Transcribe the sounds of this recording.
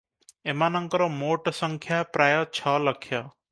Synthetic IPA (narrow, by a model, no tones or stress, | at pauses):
emaːnəŋkəɾoːmoːʈsəŋkʰjaːpɾaːjaːt͡ʃʰɔːləkʰjaː